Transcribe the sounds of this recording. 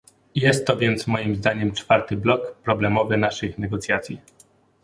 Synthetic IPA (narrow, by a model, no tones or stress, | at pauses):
jɛst̪ːɔvʲjɛnt̪smɔjimzd̪aɲɛmt͡ʂfaɾt̪ɘblɔkpɾɔblɛmɔvɘnaʂɘxnɛɡɔt̪sʲjat̪sʲji